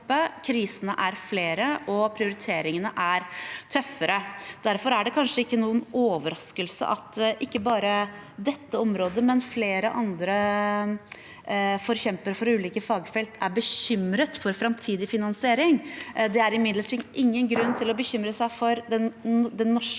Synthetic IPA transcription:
pːəkʰɾiːsənəʔæɾfleːɾəʔɔpʰɾɪʊɾɪt̪ʰeːɾɪŋənəʔæɾt̪ʰœfːəɾəd̪̥æɾfɔɾæɖɛkʰɑnʂəɪkːənuːənoːʋəɾɑskəlsə̰ʔɑt̪ːʔɪkːəbɑːɾə | d̪ɛt̪ːəɔmɾoːd̪əmɛnfleːɾəʔɑnd̪ɾə | fɔɾçɛmpəɾfɔɾʉːliːkəfɑːɡfɛlt̪ʰæbəçʏmɾət̪fɔɾfɾɑmt̪ʰiːd̪ɪfɪnɑnsɪeːɾɪŋd̪ɛæɾɪmɪd̪ləʈʰiːɡ̪ʔɪŋːənɡɾʉnːt̪ʰɪlɔbəçʏmɾəsæɪfɔɾd̪ɛnd̪ɛnːɔʂ

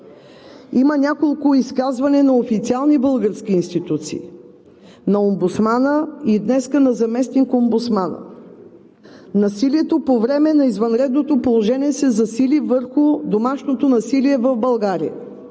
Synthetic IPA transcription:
imənʲakolˠkʊiskazvɐnɛnɐofit̪sialˠnibɤlˠɡəɾskʲiːnst̪it̪ut̪sḭː | nɐombut̪smanəid̪nɛskənɐzɐmɛsnikombut̪smanə̰ | nɐsiliɛt̪opovɾɛmɛnɐizvɐnɾɛd̪not̪opolˠoʒɛniɛsɛzɐsilivəɾxʊd̪omaʃnot̪onɐsiliɛvɐvbɐlˠɡaɾḭə̰

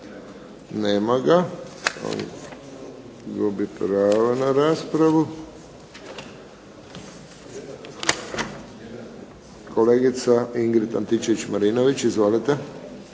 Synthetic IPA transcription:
nɛːmaɡaa̰ | ɡobipɾaːʋanaɾaːspɾaʋu | kʰoleːɡit̪saiŋɡɾit̪a̰nt̪it͡ʃeʋit͡ʃmaɾinoʋit͡ʃizʋolit̪ɛ

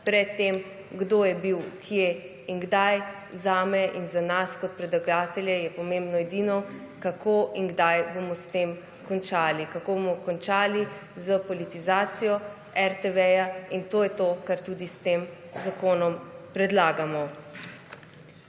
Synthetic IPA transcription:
pɾɛt̪ːeːm | ɡd̪oːjɛbiwkʰije | inɡd̪aj | zaːmɛʔinzanaskɔt̪̚pɾɛd̪laɡaːt̪ɛljɛjɛpɔmembnɔɛd̪iːnɔ | kakoːinɡd̪ajbomɔst̪eːm | kɔnt͡ʃaːlikakobomɔkɔnt͡ʃaːlizəpɔlit̪izaːt̪sijɔ | ɛɾt̪eʋɛjaint̪oːjɛt̪oːkaɾt̪uːd̪ist̪eːm | zakoːnɔmpɾɛd̪laːɡamɔ

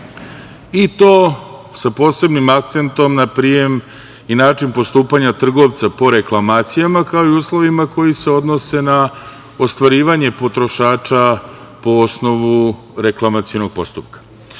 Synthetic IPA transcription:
it̪o̞ː | sapo̞ːse̞bnimakt̪se̞nt̪o̞mnapɾije̞m | inaːt͡ʃinpo̞st̪uːpaɲat̪r̩ɡo̞ʋt̪sapo̞ɾe̞klˠamaːt̪sijamakao̞iuːslˠo̞ʋimako̞jise̞o̞d̪no̞se̞na | ost̪ʋaɾiːʋaɲe̞po̞t̪ɾo̞ʃaːt͡ʃa | po̞osno̞ʋu | ɾe̞klˠamat̪sio̞no̞ɡ̚po̞st̪upkḁ

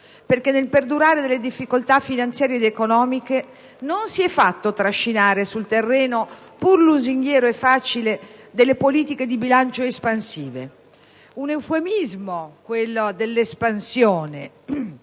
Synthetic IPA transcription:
perkenːelperd̪uɾaːɾed̪elːed̪ifːikolt̪afːinant̪sjaːɾjed̪ekonɔːmike | nonsiɛfːat̪ːot̪ɾaʃːinaːɾesult̪erːɛːno | purluziŋɡjɛːɾoɛfːaːt͡ʃiled̪elːepoliːt̪iked̪ibilant͡ʃoespansiːvḛ | unewfemizmokwelːod̪elːespansjoːne

